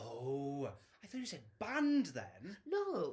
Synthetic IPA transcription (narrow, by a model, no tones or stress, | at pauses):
o | ajθɔˑt͡ʃjɨsɛd̚bãndðɛ̰nno